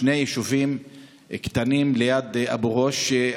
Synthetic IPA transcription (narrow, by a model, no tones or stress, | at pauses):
ne̞jeʃuvim | kt̪animlejad̪a̰buʁoʃ